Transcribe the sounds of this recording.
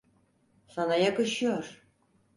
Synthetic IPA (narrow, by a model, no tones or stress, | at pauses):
sanajakɯʃɯjoɾ